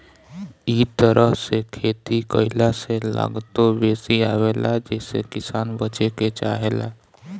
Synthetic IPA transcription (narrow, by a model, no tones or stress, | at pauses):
it̪əɾʔəɦsekʰeːt̪ikəɪlasela̰ːɡt̪obeːsiaːʋeːlad͡ʒɛːsḛkɪsaːnbət͡ʃeket͡ʃa̰ːɦela̰